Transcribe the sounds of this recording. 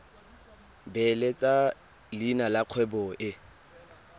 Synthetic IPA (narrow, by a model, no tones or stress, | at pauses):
bɛlet͡sʼa | linalaq͡χʰwɛbɔʔɪ